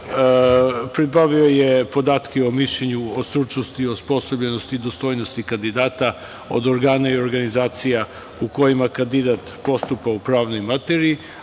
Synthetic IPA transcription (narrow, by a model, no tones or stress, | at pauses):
pɾibaʋio̞je̞po̞d̪aːt̪keo̞miʃʎeɲuost̪ɾut͡ʃnost̪io̞spo̞so̞bʎenost̪iːd̪ost̪o̞jno̞st̪ikand̪id̪aːt̪a | o̞̰d̪oɾɡaːnaio̞ɾɡanizaːt̪sija | uko̞jimakand̪id̪at̪po̞st̪upaupɾaːʋno̞jmat̪eɾii